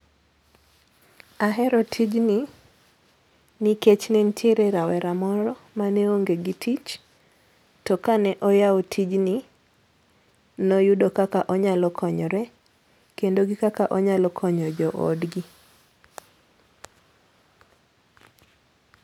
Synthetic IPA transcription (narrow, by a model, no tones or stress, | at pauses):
aɦɛɾɔtʰid͡ʒni | niket͡ʃnɛntʰeɾeɾawɛɾamɔɾɔ | maneoŋɡeɡitʰit͡ʃ | tɔkanɛʔɔjaotʰid͡ʒni | nɔjudokakaʔɔɲalɔkʰɔɲɔɾɛ | kendoɡikakaʔɔɲalɔkʰɔɲɔd͡ʒɔʔo̰dɡi